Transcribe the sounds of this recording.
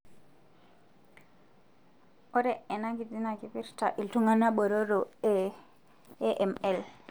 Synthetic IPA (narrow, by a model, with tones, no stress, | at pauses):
o˦ɾɛ˦e˨na˦ki˨di˦na˨ki˨pi˦ɾta˨ʔi˨ltu˦ŋa˦na˦ɓo˨ɾo˦ɾo˨e˦ | ʔɛ˨mɛ˦l